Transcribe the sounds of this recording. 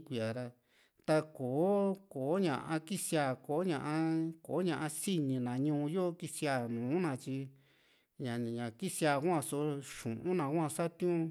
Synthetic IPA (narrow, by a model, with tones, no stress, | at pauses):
kʷi˨a˨ɾa˧ | t̪a˧koː˨˦ko˨o˦ɲã˨ʔã˧ki˦si˧a˧˨koː˨˦ɲã̰˧ʔã˧koː˨˦ɲã˨ʔã˧si˦nĩ˨nã˨ɲũː˧jo˦ki˧si˧a˧˨nũː˨˦nã˧t͡ʃi˧ | ɲã˨ɲã˨ki˦si˧a˧˨˧ku˦ã˧so˧ʃṵ̃˨ʔũ˦nã˧kʷã˧sa˦t̪ĩ˦ũ˦